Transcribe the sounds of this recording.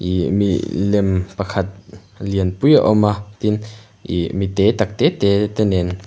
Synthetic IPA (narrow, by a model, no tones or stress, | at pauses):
ʔimḭlɛmpɐkʰɐt̪̚ | liənpuja̰ʔɔmat̪in | ʔimit̪ɛt̪ak̚t̪ɛt̪ɛt̪ɛnɛn